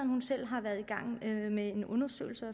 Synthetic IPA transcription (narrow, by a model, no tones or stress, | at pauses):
n̩hunsel̰ɦɑ̈ʋæɐð̞̩ˠiɡ̥ɑ̈ŋ̰mee̝nʔɔ̽nɐsø̰ːɪl̩səɒ